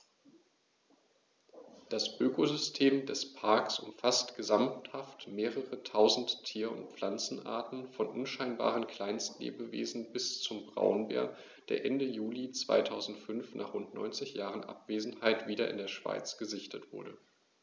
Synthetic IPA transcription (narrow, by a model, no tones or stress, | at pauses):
d̥asʔøːkozʏstʰeːmdɛspʰaɐksʔʊmfastɡ̥əzamthaftmeːʁəʁətʰaʊzn̩tʰːiːɐʊ̰ntflant͡sn̩ʔa̰ɐtn̩fɔnʔʊnʃaɪnba̰ːʁənkʰl̥aɪnstlḛːbəvḛːzn̩bɪst͡sʊmbʁa̰ʊnbḛːɐ | d̥eːɐʔɛndəjuːlit͡sv̥a̰ɪtʰaʊzn̩tfʏnfnʔa̰ːχʁ̥ʊntnɔ̰ʏnt͡sɪçjaːʁənʔa̰pv̥eːzn̩haɪtv̥iːɾɐʔɪ̰ndeːɐʃv̥a̰ɪt͡sɡ̥əzɪçtətv̥ʊɐdə